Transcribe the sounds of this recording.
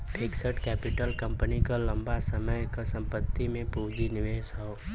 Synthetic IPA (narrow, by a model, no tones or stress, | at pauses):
peːksəʈkɛːpɪʈəlkə̃mpənikalɐ̃mbasəməjkasə̃mpət̪ːimẽpuːd͡ʒinɪʋeːsɦoo